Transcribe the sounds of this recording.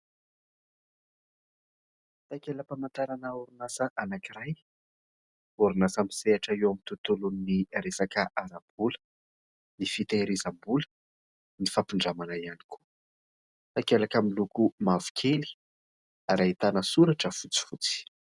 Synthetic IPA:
t̪akeləpamant̪aɾanəuɾunasəʔanakiɾaj | uɾunasamiseaʈ͡ʂaiewamit̪ut̪ulunniɾesakəʔaɾab̥̚ulə̥ | nifit̪eɾizambulə̥ | nifapiɳɖ͡ʐamanaiani̥kʰu̥ | t̪akelakamilukumavu̥kʰeli̥ | aɾait̪anəsuɾaʈ͡ʂəfut͡si̥fut͡si̥

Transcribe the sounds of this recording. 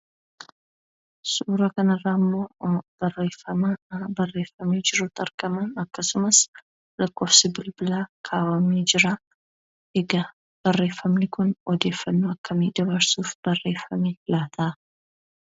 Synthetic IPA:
suɾɐkɐnɐrːamːob̥ɐrefɐmɐbɐrːeːfɐmid͡ʒɪɾot̪ʼɐɾɡʼɐmɐnɐkːɐsʊmɐs | lɨkːo̞fsɪbɪlbɨlakʰaːwamid͡ʒɪɾa | heɡɐ | b̥ɐrːeːfɐmnɪkʰʊnʔɔd̪e̞ːfɐnːuɐkːɐmed̪ɐβɐɾsufb̥ɐrːefɐmelat̪ʰa

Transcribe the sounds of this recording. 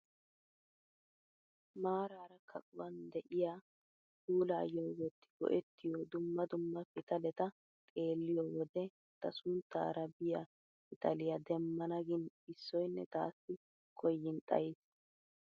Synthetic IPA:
maːɾaːɾɐkʰɐkʼʊwɐnd̪ɛʔɪjaː | kuːlaːjɔwwɔt̪ːɪ̥bɔ̰ʔɛt̪ːɪjod̪ʊmːɐd̪ʊmːɐfɪt̪ɐlɛt̪ɐ | kʼe̞ːlːɪjowɔd̪ɛ | t̪ɐsʊnt̪ːa̰ːɾɐbɪja | pɪt̪ɐlɪjɐd̪ɛmːɐnɐɡɪn | ɪsːɔjnːɛt̪a̰ːsːɪ | kʰɔjːɪnt̪ʼɐ̰jɪs

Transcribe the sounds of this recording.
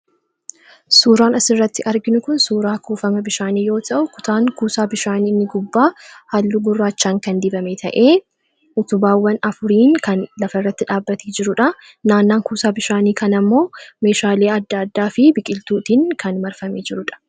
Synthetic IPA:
suːɾaːnɐsɪrːɐt̪ːɪʔɐɾɡɪnʊkʊnsuːɾaːkuːfɐmɐbɪʃaːniːjo̞ːt̪ʰɐʔʊkʊ̥t̪ʰaːŋkuːsaːbɪʃaːniːnːɪɡʊbːaːhɐlːuɡʊrːaːt͡ʃːaːŋkɐnd̪ɪbɐmeːt̪ʰɐʔeː | ʔʊt̪ʊbaːwːɐnɐfʊɾiːŋkɐnlɐfɐrːɐt̪ːɪᶑaːbːɐt̪ʰeːd͡ʒɪɾʊᶑɐ | naːnːaːŋkuːsaːbɪʃaːniːkɐnɐmːo̞ːme̞ːʃaːle̞ːɐd̪ːɐːd̪ːaːfɪbɪkʼɪlt̪uːt̪iːŋkɐnmɐɾfɐmeːd͡ʒɪɾʊᶑɐ̥

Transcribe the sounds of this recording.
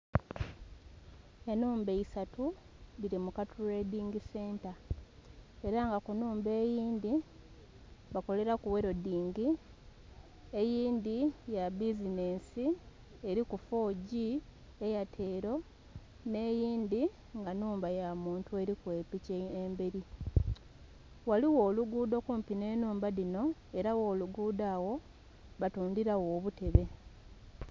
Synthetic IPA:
e̞nuːmbe̞isatu | βiɾimukatʰule̞diːŋɡise̞ːnta | e̞ɾaŋɡakunuːmbe̞ːjiːnd̪i | βako̞le̞ɾakuwe̞ɾo̞diːŋɡi | ejiːnd̪ijabizine̞ːnsi | eɾikufo̞ːɟi | ejatʰe̞ːɾo̞ | ne̞ːjiːnd̪i | ŋɡanuːmbajamuːntue̞ɾikwe̞ːpiceembe̞ɾi | waliwo̞ːluɡuːd̪o̞kuːmpine̞ːnuːmbalino̞e̞ɾawoːluɡuːdaːwo̞ | βatuːndiɾawoːβute̞βe̞

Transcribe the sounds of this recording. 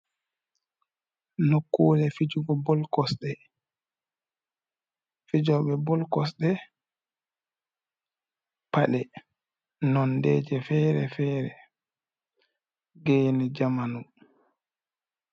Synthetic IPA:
nokːuːlɛfid͡ʒuɡɔbɔlkɔsɗɛ | fid͡ʒɔɓɛbɔlkɔsɗɛ | paɗɛ | nɔndɛːd͡ʒɛfɛːɾɛfɛːɾɛ | ɡɛːnɛd͡ʒamanu

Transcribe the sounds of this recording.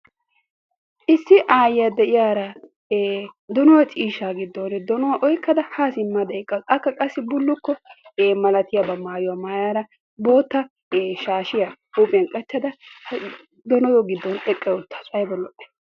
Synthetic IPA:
ʔɪsːɪʔaːjɪjad̪ɛʔɪjaːɾɐ | d̪ɔnɔwɐt͡ʃʼiːʃːaːɡɪd̪ːɔnɛd̪ɔnɔwɐʔɔjkːɐd̪ɐhaːsɪmːad̪ɐɪkʼːɐɐkːɐkʼɐsːɪbʊlːʊkːɔeːmɐlɐt̪ɪjabɐmaːjʊwamaːjaːɾɐ | bo̞ːt̪ːɐ | eːʃaːʃɪja | upʼɛnkʼɐt͡ʃːɐd̪ɐ | d̪ɔnɔd̪ɔɡɪd̪ːɔnʔɛkʼːɛʊt̪ʰːḁsʼɐjbɔlːɔʔɛ̥

